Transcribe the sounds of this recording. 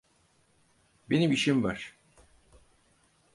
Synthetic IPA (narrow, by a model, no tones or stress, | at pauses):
be̞nimiʃimvæɾ̥